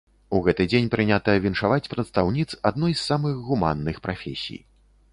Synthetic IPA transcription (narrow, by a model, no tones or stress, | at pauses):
uɣɛt̪ɨd͡zʲenʲpɾɨnʲat̪ɐɐvʲinʂavat͡sʲpɾɐt̪st̪awnʲit̪sad̪nɔjsːamɨɣɣuma̰nːɨxpɾʔafʲesʲḭj